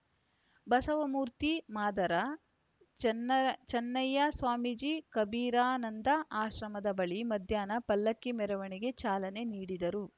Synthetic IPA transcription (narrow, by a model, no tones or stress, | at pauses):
bɐsɐʋɐmuːɾt̪imaːd̪ɐɾɐ | t͡ʃɐnːɐjɐsʋaːmid͡ʒiːkɐbiːɾaːnɐnd̪ɐʔaːʃɾɐmɐd̪ɐbɐɭimɐd̪ʱjaːnɐpɐlːɐkːimɛɾɐʋɐɳiɡe̞t͡ʃaːlɐne̞niːɽid̪ɐɾu